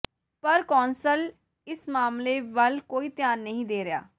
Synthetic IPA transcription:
pəɾkɔːnsəl | ɪsmaːmleːʋəlkoːiːt̪ɪjaːnːəɦĩːd̪eːɾɪja̰ː

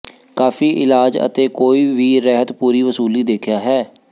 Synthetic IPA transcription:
kaːfiːʔɪlaːd͡ʒə̰t̪eːkoːiːʋiːɾɛːɦət̪puːɾiːʋəsuːliːd̪eːkʰjaːɦɛː

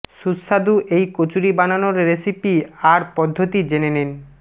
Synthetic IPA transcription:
ʃusad̪uʔejkot͡ɕuɾibananoɾɾesipiaɾpɔd̪ʱːot̪id͡ʑenenen

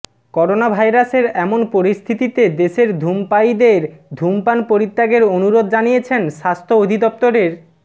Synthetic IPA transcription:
kɔɾonabʱajɾaseɾɛmonpoɾist̪ʰit̪it̪ed̪eʃeɾd̪ʱumpajd̪eɾd̪ʱumpanpoɾit̪ːaɡeɾonuɾod̪d͡ʑanijet͡ɕʰenʃast̪ʰood̪ʱid̪ɔp̚t̪oɾeɾ

